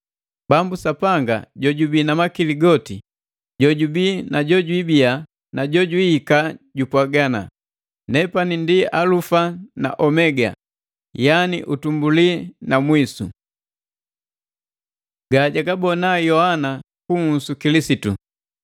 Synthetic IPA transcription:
bambusapaŋɡa̰ɟɔɟubinamakiliɡɔti | ɟɔɟubinaɟɔɟwibia | naɟɔɟwiːkaɟupwaɡana̰ | nɛpanindialufana̰ʔɔmɛɡa̰ | janḭʔutumbulinamwisṵ | ɡaɟaɡabɔnajɔhana | kuŋ̩sukilisitṵ

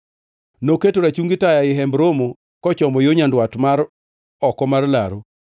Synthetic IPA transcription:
noketoɾat͡ʃuŋɡɪtajaɪɦɛmbɾomo | kɔt͡ʃɔmɔjoɲandwatmaɾ | ɔkɔmarla̰ɾo

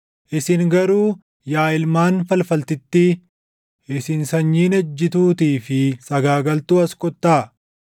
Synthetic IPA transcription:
ʔɪsɪŋɡɐɾuː | jaːɪlmaːnfɐlfɐlt̪ɪt̪ːi | ʔɪsɪnsɐɲːiːnɐd͡ʒːɪt̪uːt̪iːfɪsɐɡaːɡɐlt̪uːɐskʼɔt̪ːaː

